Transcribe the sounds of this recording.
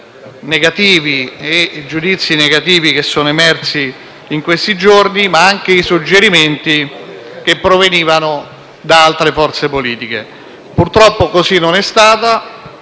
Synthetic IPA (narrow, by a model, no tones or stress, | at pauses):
neɡat̪iːvied͡ʒud̪it̪sːineɡat̪iːvikesːoːnoemɛrt̪siː | ŋkwest̪id͡ʒornimaaŋk̟eisud͡ʒːeɾiment̪i | k̟epːɾoveniːvano | d̪aalt̪ɾefɔrt̪sepoliːt̪ike | purt̪ɾɔpːokosinːonɛst̪aːt̪a